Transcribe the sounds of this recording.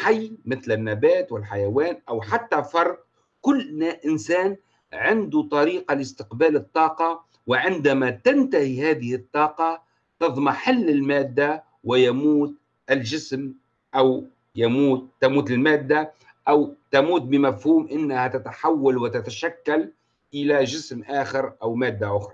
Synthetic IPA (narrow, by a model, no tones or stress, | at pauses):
ħajmɪθlɪnːabaːt̪wɪlħajawaːnʔawħat̪ːafɑɾˤd̪̚ | kʊlːʔɪnsaːn | ʕɪnd̪ut̪ˤɑɾiːqɑlɪst̪ɪqbaːlɨt̪ˤːɑːqɑ | wɪʕɪnd̪amat̪ant̪ahihaːðɪhɪt̪ˤːɑːqɑ | t̪ɑðˤmaħɪlːɪlmaːd̪ːa | wɪjamuːt̪ | ʔɪld͡ʒɪsm | ʔaw | jamuːt̪ːamuːt̪ɪlmaːd̪ːa | ʔawt̪amuːt̪̚bɪmafhuːmʔɪnːahat̪at̪aħawːalwɪt̪at̪aʃakːal | ʔɪlaʒɪsmʔaːxɪɾʔawmaːd̪ːaʔʊxɾˤɑ